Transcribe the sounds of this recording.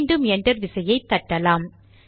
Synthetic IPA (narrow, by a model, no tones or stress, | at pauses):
ɳɖɯmɛndrɐɾʋɪsɐjɐɪt̪ːɐʈːɐlaːm